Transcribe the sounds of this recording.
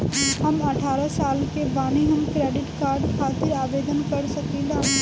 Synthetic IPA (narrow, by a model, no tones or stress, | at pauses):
ɦɐmɐʈʰaːɾasaːlkebaːniɦɐmkɾeːɖɪʈkaːɾɖkʰaːt̪ɪɾaːʋeːd̪ənkɐɾsɐkĩlaː